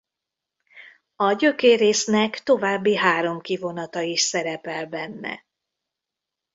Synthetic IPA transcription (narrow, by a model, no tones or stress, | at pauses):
ɒɟø̞keːɾeːsnɛkt̪o̞vaːbːiɦaːɾo̞mkivo̞nɒt̪ɒiʃsɛɾɛpɛlbɛnːɛ̰